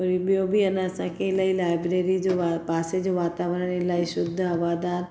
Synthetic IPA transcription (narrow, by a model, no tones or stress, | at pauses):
oɾibjobʱiɐnaɐsãkelaːilaːjbɾeɾid͡ʒoʋapaːsed͡ʒoʋaːt̪aːʋəɾɳelaːiʃʊd̪ʱːəɐʋaːd̪aːɾ